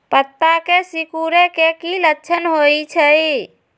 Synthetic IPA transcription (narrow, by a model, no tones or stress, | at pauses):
pət̪ːakesikuɾekekilətːt͡ʃʰənɦojt͡ʃʰəj